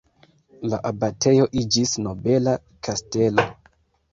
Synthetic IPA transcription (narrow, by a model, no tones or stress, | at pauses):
laʔabatʰe̞jo̞ʔid͡ʒisno̞be̞la | kʰaste̞lo̞